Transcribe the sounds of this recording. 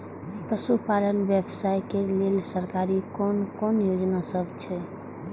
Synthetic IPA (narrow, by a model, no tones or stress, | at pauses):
pəsupalənʋjəbsajkelelsəɾkaɾikonkonjod͡ʒnasəbʱt͡ʃʰɛ